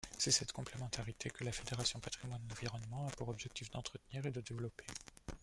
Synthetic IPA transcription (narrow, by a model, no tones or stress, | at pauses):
sɛsɛt̪kɔ̃plemɑ̃t̪aʁit̪ekəlafed̪eʁasjɔ̃pat̪χimwanɑ̃viʁɔnmɑ̃apuʁɔbʒɛk̚t̪ifd̪ɑ̃t̪χət̪niʁed̪əd̪evlɔpe̥